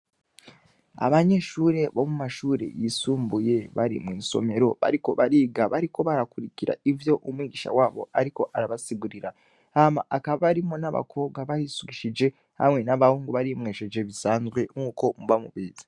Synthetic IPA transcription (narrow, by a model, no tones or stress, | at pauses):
a̰βaɲe̞ʃuːɾe̞βo̞mumaʃuːɾe̞̰jisuːmbuje̞βaɾḭmwiːso̞̰me̞ɾo̞βa̰ɾiko̞βaɾiːɡaβaɾiko̞βaɾakuɾiciɾa̰ivjo̞ʔumwiːɡiʃa̰waːβo̞̰aɾiko̞ʔaɾaβasiɡuɾiɾa | hama̰ʔakaβaβaɾimonaβa̰kʰo̞ːβɡaβaɾisuɡiʃid͡ʒe̞ | ha̰mŋe̞naβahuːŋɡuβaɾimwe̞ʃed͡ʒe̞βisaːnzɡwe̞ŋuːko̞muβamṵβiːzi̥